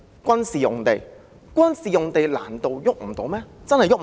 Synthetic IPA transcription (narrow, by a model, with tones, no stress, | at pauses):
kʷɐ˥nsiː˨jʊ˨ŋt̪e˨j | kʷɐ˥nsiː˨jʊ˨ŋt̪e˨jla̰ː˨˩nt̪o˨˧wjʊ˥k̚m̩˨˩t̪o˨˥wmɛː˥t͡sɐ˥nhɐ˨jʊ˥k̚